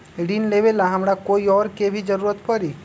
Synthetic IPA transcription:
ɖinleʋelaɦɐmɾakoːiɔːɾkebʱid͡ʒəɾuːɾət̪pəɾi

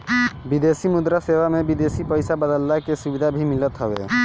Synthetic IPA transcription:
bid̪esimud̪ɾasewamebid̪esipəjsabəd̪əlːakesubid̪ʱabʱimilət̪ɦɔbḛ

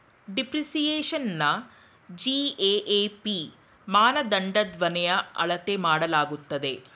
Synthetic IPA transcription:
ɖipɾisijeːʃɐnːɐ | d͡ʒiːeːʔeːpi | maːnɐd̪ɐɳɖɐd̪ʋɐnɛjɐɐ̰ɭɐt̪e̞maːɽɐlaːɡut̪ːɐd̪e̞

